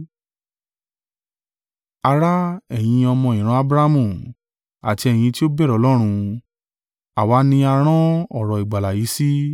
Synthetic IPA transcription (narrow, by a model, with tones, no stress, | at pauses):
a˧ɾa˦ɛ˨j̃ĩ˧ɔ˧mɔ̃˧˨ĩ˨ɾ̃ɔ̃˧˦a˧bɾa˦mũ˦˨ | a̰˨ti˧ɛ˨j̃ĩ˧ti˦o˦bɛ˦˨ɾɔ˨˦lɔ˦ɾ̃ũ˧ | a˨wa˨˧˦nĩ˧a˧ɾ̃ɔ̃˦ɔ˦˨ɾɔ˨i˨ɡ͡ba˨la˨ji˨˦si˦